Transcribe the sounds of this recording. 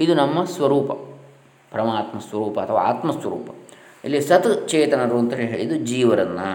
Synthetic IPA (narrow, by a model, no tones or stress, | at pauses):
id̪unɐmːɐsʋɐɾuːpɐ | pɐɾɐmaːt̪mɐsʋɐɾuːpɐɐt̪ʰɐʋa̰a̰ːt̪mɐsʋɐɾṵːpɐ | ilːisɐt̪t͡ʃɛːt̪ɐnɐɾuːɐnt̪ɐɦeɦeːɭid̪ud͡ʒiːʋɐɾɐnːɐ